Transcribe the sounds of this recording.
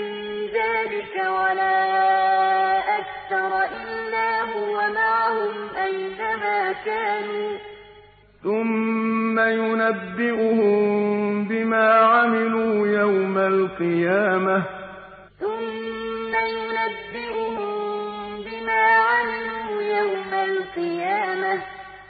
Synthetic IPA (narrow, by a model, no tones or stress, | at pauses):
mɪnnðaːlɪkawalaː | ʔakθɑɾˤɑʔɪlːaːɦʊwamaʕhʊmʔajnamaːkaːnuː | θʊmːajʊnabːɪʔʊhʊmbɪmaːʕamɪluːjawmalqɨjaːma | θʊmːajʊnabːɪʔʊhʊmbɪmaːʕamɪluːjawmalqɨjaːmah